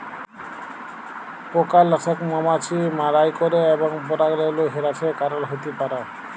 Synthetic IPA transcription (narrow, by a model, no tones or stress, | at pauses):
pokalːɔsʰɔkmɔmat͡ʃʰimaɾajkɔɾeːbɔŋbɔɾaɡɾeloɦeɾat͡ʃʰekaɾɔlɦojt̪ipaɾa